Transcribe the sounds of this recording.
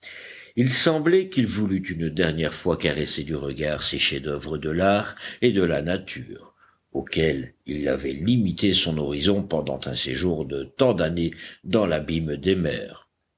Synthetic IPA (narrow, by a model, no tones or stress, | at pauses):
ilsɑ̃blɛkilvulyt̪ynd̪ɛʁnjɛʁfwakaʁɛsed̪yʁəɡaʁseʃɛd̪œvʁəd̪əlaʁed̪əlanat̪ʰyːʁ | okɛlilːa̰vɛlimit̪esɔ̃nɔʁizɔ̃pɑ̃d̪ɑ̰̃t̪ɛ̰̃seʒuʁd̪ət̪ɑ̃d̪aned̪ɑ̃labimd̪emɛ̰ːʁ